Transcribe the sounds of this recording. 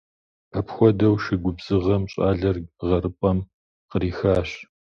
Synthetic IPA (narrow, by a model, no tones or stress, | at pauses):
pʰɐpxʷɔdɐwʃɪɡʷʊbz̥ɨʁɐmɕʼaːɮɐrʁɐɾɨpʼɐm | qəɾiːxaːɕ